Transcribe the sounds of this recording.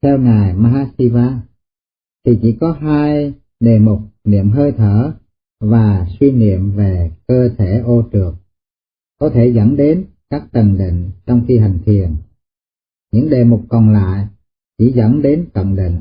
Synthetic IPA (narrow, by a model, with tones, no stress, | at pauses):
t̪ʰɛ˧wŋaː˨˩jmaː˧ɦaː˧si˧vaː˧ | t̪ʰi˨˩t͡ɕi˧˥kɔ˨˦ɦaː˧j | ɗe˨˩mʊ˨˩k͡p̚nḭ˧˨əmɦəː˧jt̪ʰəː˧˩˨ | vaː˨˩swi˧nḭ˧˨əmve˨˩kəː˧t̪ʰe˧˩ʔo˧t͡ɕɨ˨˩ək̚ | kɔ˨˦t̪ʰe˧˩zə˧˩nɗe˨˦n | kaː˦˥k̚t̪ə˨˩ŋɗḭ˧˨ŋ̟t͡ɕɔ˧wŋ͡mxi˧ɦa˨˩jŋ̟t̪ʰi˨˩ən | ɲɨ̰˧˥ŋɗe˨˩mʊ˨˩k͡p̚kɔ˨˩nla̰ː˧˨j | t͡ɕi˧˩˥zə̰˧˥˩nɗe˨˦nkə̰˧˨wŋ͡mɗḭ˧˨ŋ̟